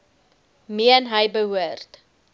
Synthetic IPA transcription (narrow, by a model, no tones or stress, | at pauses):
miənɦəjbəɦuərt